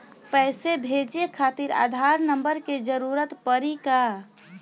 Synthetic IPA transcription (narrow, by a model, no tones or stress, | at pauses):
pɛːsebʱeːd͡ʒekʰaːt̪iɾa̰ːd̪ʱaːɾnəmbəɾked͡ʒəɾuːɾət̪pəɾika